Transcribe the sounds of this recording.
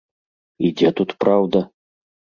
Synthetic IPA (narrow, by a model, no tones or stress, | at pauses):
id͡zʲɛt̪ut̪pɾawd̪ɐ